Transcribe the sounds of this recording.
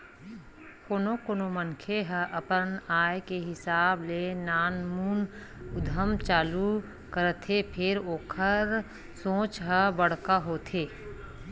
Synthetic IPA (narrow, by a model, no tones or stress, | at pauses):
koːnokoːnomənkʰeɦəʔəpənaːjkeɦɪsaːblenaːnmuːn | ʊd̪ʱəmt͡ʃaːlu | kəɾət̪ʰːepʰɪɾoːkʰəɾ | sõːt͡ʃɦəbəɽ̤kaɦoːt̪ʰeː